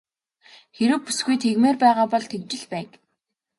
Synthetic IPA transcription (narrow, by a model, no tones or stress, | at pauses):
xeɾɘ̆wpusɡujt̪ʰeɣmeːrpæːʁaːpɔɮt̪ʰekt͡ɕɪ̆ɮpæːk